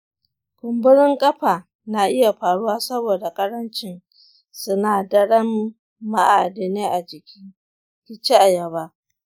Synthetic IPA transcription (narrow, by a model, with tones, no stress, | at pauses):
kʷʊ˨mbʊ˦ɽɪ˦ŋkʼɐ˦ɸaː˨ | na˨ʔɪ˦ja˨ɸaː˨ɽu˦waː˦sɐ˦boː˨da˨kʼɐ˦ɾɐ˦nt͡ʃɪ˦n | sʊ˦naː˨dɐ˦ɽɐ˦mː | a˦ʔa˨dɪ˨neː˦ʔa˨d͡ʒɪ˨kʲi˦ | kʲɪ˦t͡ʃe˦ʔa˨jɐ˨baː˦